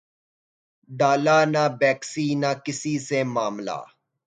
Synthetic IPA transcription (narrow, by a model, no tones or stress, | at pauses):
ɖaːlaːnabeːksiːnakɪsisemaːmla̰ː